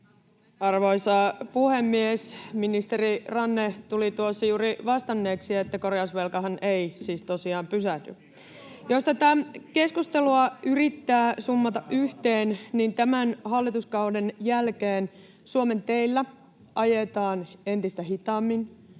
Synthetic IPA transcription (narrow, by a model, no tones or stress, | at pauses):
ɑrʋo̞isɑpuhemːiesminist̪eɾirɑnːet̪ulit̪uosːɑjuːɾiʋɑst̪ɑnːe̞ːksiet̪ːæko̞reɑsʋelkɑɦɑneisiːst̪osiɑːmpysæhdy | jost̪æt̪æke̞skust̪eluɑyrit̪ːæːsumːɑt̪ɑʔʔyht̪eːnnint̪æmænhɑlːit̪uskɑudenjælkeːn | suome̞nt̪eilːæ | ʔɑjet̪ɑːne̞nt̪ist̪æɦit̪ɑːmːin